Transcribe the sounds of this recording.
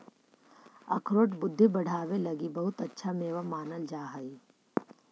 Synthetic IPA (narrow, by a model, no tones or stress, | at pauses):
ɐ̰kʰɾoːʈbʊd̪ʱːibɐɽ̤ʱaːʋelɐɡibɐɦʊt̪ɐtːʃʰameːʋamaːnəld͡ʒaːɦai